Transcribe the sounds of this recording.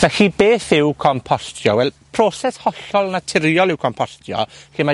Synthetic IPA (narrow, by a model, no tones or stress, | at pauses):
vɛxibeːθɪwkʰɔmpʰɔstʰjɔwɛlˠ | pʰroːsɛshɔɬɔlˠnatʰɪɾjɔlˠɪwkʰɔmpʰɔstʰjɔ̰χima